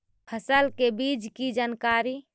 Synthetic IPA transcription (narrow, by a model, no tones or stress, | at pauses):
pʰəsəlkebid͡ʒkid͡ʒankaɾi